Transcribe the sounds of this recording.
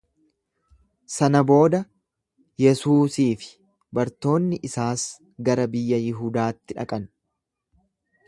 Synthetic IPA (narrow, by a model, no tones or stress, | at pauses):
sɐnɐbo̞ːd̪ɐ | jɛsuːsiːfɪ̥ | bɐɾt̪o̞ːnːɪʔɪsaːs | ɡɐɾɐbɪjːɐjɪɦuːd̪aːt̪ːɪᶑɐ̰kʼɐn